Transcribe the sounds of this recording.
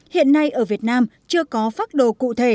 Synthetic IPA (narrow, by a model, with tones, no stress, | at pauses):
hḭ˧˨ənːa˧jʔəː˧˩vi˨˩ət̚naː˧mt͡ɕɨ˧əkɔ˨˦faː˦˥t̚ɗo̰˧˨kṵ˧˨t̪ʰe˧˩